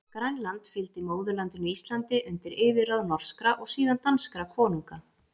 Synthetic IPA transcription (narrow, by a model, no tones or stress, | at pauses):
kɾajnlant̪fɪlt̪ɪmoːwðʏlant̪ʏnʏist̪lant̪ɪʔʏnt̪ɪɾʔɪːvɪraðnɔr̥skɾaʔɔɣsiːðant̪anskɾakʰɔːnuŋka